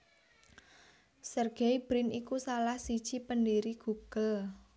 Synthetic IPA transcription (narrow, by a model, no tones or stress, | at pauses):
sərɡ̥ejb̥ɾɪnikusalahsid̥ʒ̥ipəndiɾiɡ̥uɡ̥əl